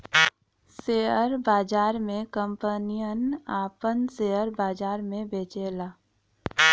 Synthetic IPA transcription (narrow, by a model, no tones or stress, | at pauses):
seːəɾbaːd͡ʒaːɾmẽkə̃mpənijənaːpənseːəɾbaːd͡ʒaːɾmẽbeːt͡ʃeːlaː